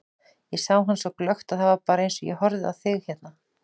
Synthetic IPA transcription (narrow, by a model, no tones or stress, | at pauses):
jɛsawɦanːsɔwklœxt̪aðθavaɾpaːɾaejnsɔjɛ̰hɔɾðɪa̰ðθʏɣçɛt̪na